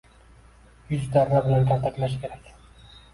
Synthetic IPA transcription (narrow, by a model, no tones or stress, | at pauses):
jɵzd̪aɾːabɪlant̪ʰaɾt̪aklaʃkʰʲe̞ɾakʲ